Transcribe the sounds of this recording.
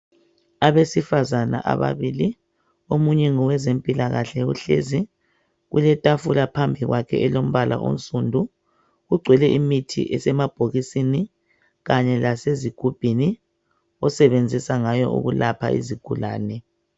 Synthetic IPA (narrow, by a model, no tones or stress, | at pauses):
aβesifazana̰ʔa̰βa̰βili | omuɲɛŋɔwɛzempʼilaɣaɬɛṵɬḛzi | ɣṵlɛtʼafulapʰambʱiɣwakʰɛ̰ɛlom̩βalʔa̰ʔo̰nt͡sʼundʱu | ɣuɡ͡ǀʱwɛlɛʔimitʰḭʔɛsɛmab̥ʱoɣisini | ɣaɲɛlaseziɡ̥ʱub̥ʱini | ɔsɛβend͡zʱisaŋajɔ̰ʔṵɣulapʰa̰ḭziɡ̥ʱula̰ːnɛ